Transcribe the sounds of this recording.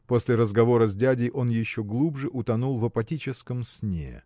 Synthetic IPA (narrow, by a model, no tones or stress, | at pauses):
po̞sʲlʲɪɾəzɡɐvo̞ɾəzʲdʲædʲɪjʔo̞njɪɕːoɡlˠubʐɨʔʊt̪ɐnulˠvəpɐtʲit͡ɕɪskəmsʲnʲḛ